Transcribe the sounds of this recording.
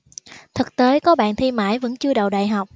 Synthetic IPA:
t̪ʰɨ˨˩k̚t̪e˨˦kɔ˨˦ɓa̰ː˧˨nt̪ʰi˧ma̰ː˧˥˩jvə̰˧˥nt͡ɕɨ˧əɗə̰˧˨wɗa̰ː˧˨jɦa˨˩wk͡p̚

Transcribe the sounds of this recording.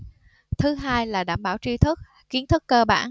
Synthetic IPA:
t̪ʰɨ˨˦ɦaː˧jlaː˨˩ɗaː˧˩mɓaː˧˩wt͡ɕi˧t̪ʰɨ˦˥k̚ | ki˨˦ənt̪ʰɨ˦˥kːəː˧ɓa̰ː˧˩n

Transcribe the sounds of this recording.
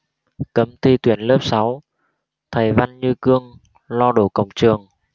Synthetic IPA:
kə˨˦mt̪ʰi˧t̪wi˧˩ənləː˦˥p̚sa˨˦w | t̪ʰə˨˩jva˧nɲɨ˧kɨ˧əŋ | lɔ˧ɗo˧˩kə̰˧˩wŋ͡mt͡ɕɨ˨˩əŋ

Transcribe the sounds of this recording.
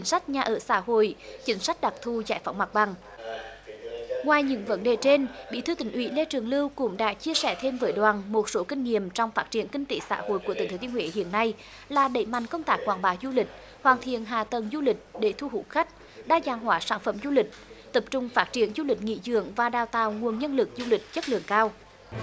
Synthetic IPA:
ŋ̟sa˦˥jk̟̚ɲaː˨˩ʔəː˧˩sa̰ː˧˥ɦo̰˧˨jt͡ɕï˨˦ŋ̟sa˦˥jk̟̚ɗa˨˩t̪ʰu˧˩za̰ː˧˥jfa˨˦wŋ͡mma˨˩k̚ɓa˨˩ŋ | ŋwaː˨˩jɲɨ̰˧˥ŋvə˨˦nɗe˨˩t͡ɕe˧nɓḭ˧˨t̪ʰɨ˧t̪ï˨˩ŋ̟ʔwḭ˧˥le˧t͡ɕɨ˨˩əŋlɨ˧wkʊ̰˧˥ŋ͡mɗa̰ː˧˥t͡ɕi˧əsɛ˧˩t̪ʰe˧mvəː˨˦jɗwaː˨˩nmo˨˩t̚so˨˦kï˧ŋ̟ːŋi˨əmt͡ɕɔ˧wŋ͡mfaː˦˥t̚t͡ɕi˧˩ənkï˧ŋ̟t̪e˨˩˦sa̰ː˧˥ho̰˧˨jku˧˩ət̪ḭ˨˩t̪ʰːt̪ːəŋwḛ˨˦hḭ˧˨ənːa˧j | laː˨˩ɗə̰˧˩jma̰˨jŋ̟kə˧wŋ͡mt̪aː˦˥k̚kwa̰ː˧˩ŋɓaː˨˦wzu˧lï˨˩k̟̚ | hwaː˨˩nt̪ʰḭ˧˨ənɦaː˨t̪ə˨˩nzu˧lï˨˩k̟̚ɗe˧˩˦t̪ʰu˧hṵ˧˥xa˦˥k̟̚ | ɗaː˧zaː˨˩ŋɦwaː˨˦saː˧˩nfə˧˩mzu˧lï˨˩k̟̚t̪ə˨˩p̚t͡ɕʊ˨˩ŋ͡mfaː˦˥t̚t͡ɕi˧˩ənzu˧lï˨˩k̟̚ŋḭ˧˥zɨ̰˧˥əŋvaː˨˩ɗaː˨˩wt̪a̰ː˨wŋu˨˩ənɲə˧nlɨ˨˩k̚zu˧lï˨˩k̟̚zə˦˥t̚lɨ̰˧˨əŋkaː˧w

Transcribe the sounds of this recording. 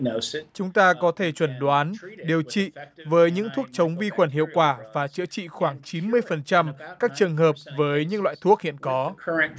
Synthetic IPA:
t͡ɕʊ˨˦ŋ͡mt̪aː˧kɔ˨˦t̪ʰe˧˩t͡ɕwə˧˩nɗwaː˨˦nɗi˨˩əwt͡ɕḭ˧˨vəː˨˦jɲɨ̰˧˥ŋt̪ʰu˦˥ək̚t͡ɕə˨˦wŋ͡mvi˧xwə˨˧˩nhḭ˧˨əwkwaː˧˩vaː˨˩t͡ɕɨ̰˧˥ət͡ɕḭ˧˨xwaː˧˩ŋt͡ɕi˨˦nmɨ˧əjfə˨˩nt͡ɕa˧mkaː˦˥k̚t͡ɕɨ˨˩əŋɦəː˨˩p̚vəː˨˦jɲɨ̰˧˥laː˧˨jt̪ʰu˦˥ək̚hḭ˧˨ənkɔ˨˦kʰəə̃

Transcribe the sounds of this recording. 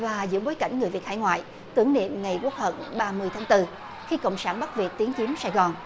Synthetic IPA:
vaː˨˩zɨ̰˧˥əɓo˨˦jka˧˩jŋ̟ŋɨ˨˩əjvi˨˩ət̚haː˧˨jŋwa̰ː˧˨j | t̪ɨ˨˩əŋnḛ˧˨mŋa˨˩jku˦˥ək̚hə̰˧˩nɓaː˧mɨ˧əjt̪ʰaː˨˦ŋt̪ɨ˧ | xi˧kə̰˧˨wŋ͡msaː˧˩nɓa˦˥t̚vi˨˩ət̚t̪i˨˦əŋt͡ɕi˨˦əmsaː˧˩jɣɔ˨˩n

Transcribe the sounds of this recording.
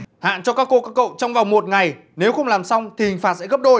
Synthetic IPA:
ha̰ː˧˨nt͡ɕɔ˧kaː˦˥kːo˧kaː˦˥kːə̰˧˨wt͡ɕɔ˧wŋ͡mvaː˨˩wŋ͡mmo˨˩t̚ŋa˨˩j | ne˨˦wxə˧wŋ͡mlaː˨˩msa˧wŋ͡mt̪ʰi˨˩hï˨˩ŋ̟faː˨˩t̚sɛ̰˧˥ɣp̚ɗo˧j

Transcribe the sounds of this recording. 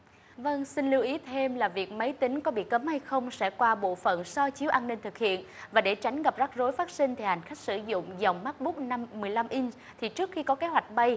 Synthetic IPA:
və˧ŋsï˧n̟li˧wʔi˨˦t̪ʰe˧mlaː˨˩vi˨˩ək̚mə˨˦jt̪ï˨˦ŋ̟kɔ˨˦ɓḭ˧˨kə˨˦mha˧jxə˧wŋ͡msɛ̰˧˥kwaː˧ɓo̰˧˨fə̰˧˨nsɔ˧t͡ɕi˨˦əwʔaː˧nːï˧ŋ̟t̪ɨ˨˩k̚hḭ˧˨ən | vaː˨˩ɗe˧˩t͡ɕa˨˦jŋ̟ɣa˨˩p̚za˦˥k̚zo˨˦jfaː˦˥t̚si˧ŋ̟t̪ʰi˨˩ha˨˩ŋ̟xa˦˥k̟̚sɨ˧˩zʊ̰˧˨ŋ͡mza˨˩wŋ͡mmaː˦˥k̚ɓu˦˥k̚na˧mːɨ˨˩əjla˧mʔi˧n | t̪ʰi˨˩t͡ɕɨ˦˥ək̚xi˧kɔ˨˦ke˨˦ɦwa˨˩jk̟̚ɓə˧j

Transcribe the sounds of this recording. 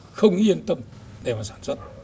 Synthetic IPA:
xə˧wŋ͡mʔi˧ənt̪ə˧m | ɗe˨˩maː˨˩saː˧˩nswə˦˥t̚

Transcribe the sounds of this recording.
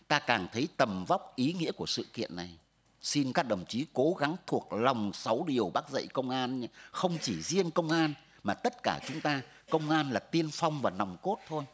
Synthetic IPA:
t̪aː˧kaː˨˩ŋt̪ʰə˨˦jt̪ə˨˩mva˦˥wk͡p̚ʔi˨˦ŋḭ˧˥əku˧˩əsɨ̰˧˨kḭ˧˨ənːa˨˩j | si˧nkaː˦˥k̚ɗə˨˩ŋ͡mt͡ɕi˨˦ko˨˦ɣa˨˦ŋt̪ʰu˨˩ək̚la˨˩wŋ͡msa˨˦wɗi˨˩əwɓaː˦˥k̚zə̰˧˨jkə˧wŋ͡mʔaː˧nxə˧wŋ͡mt͡ɕi˧˩zi˧ənkə˧wŋ͡mʔaː˧n | maː˨˩t̪ə˦˥t̚kaː˧˩t͡ɕʊ˨˦ŋ͡mt̪aː˧ | kə˧wŋ͡mʔaː˧nlaː˨˩t̪i˧ənfa˧wŋ͡mvaː˨˩na˨˩wŋ͡mko˦˥t̚t̪ʰo˧j

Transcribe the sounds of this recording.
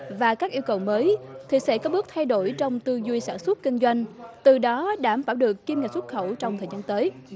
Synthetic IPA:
vaː˨˩kaː˦˥k̚ʔi˧əwkə˨˩wməː˨˦jt̪ʰi˨˩sɛ̰˧˥kɔ˨˦ɓɨ˦˥ək̚t̪ʰa˧jɗo˧˩jt͡ɕɔ˧wŋ͡mt̪ɨ˧zwi˧jsa̰ː˧˩nswə˦˥t̚kï˧ŋ̟zwa˧jŋ̟t̪ɨ˨˩ɗɔ˨˦ɗaː˧˩mfaː˧˩wɗɨ˨˩əkːi˧mŋa˨˩t̚swt̚xə˧˩wt͡ɕɔ˧wŋ͡mt̪ʰəː˨˩zaː˧nt̪əː˨˦j

